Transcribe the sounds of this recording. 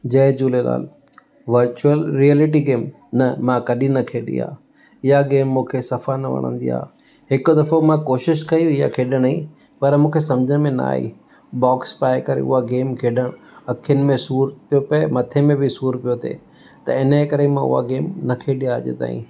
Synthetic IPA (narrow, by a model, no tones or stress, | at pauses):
d͡ʑɐːd͡ʑuːlela̰ːl | ʋɐɾt͡ɕuəlɾielɪʈ̬iɡeːm | nɐmãkɐɗĩnɐkʰeːɗḭa̰ː | ɪɦaɡeːmːũːkʰesɐfanɐʋɐ̰ɽ̃ə̰̃nd̪ḭa̰ː | ɦɪkʊ̆d̪ɐfomãkoːʃɪʃkɐjũɪja̰kʰeːɗəɽ̃ɦḭ̃ | pɐɾmũːkʰesɐmd͡ʑəɽ̃ɪ̆mẽna̰ːɦḭː | bɔːkspaːekɐɾḛʊ̰ɦaɡeːmkʰeːɗəɽ̃ | ɐkʰijənɪ̆mẽsuːɾt̪ijopɐemɐt̪ʰemẽbɪsuːɾpijot̪ʰḛː | t̪ɐ̰ɪnəkɐɾemãʊ̰ɦa̰ɡeːmnɐkʰeːɗijaʄḛt̪a̰ːḭ̃ː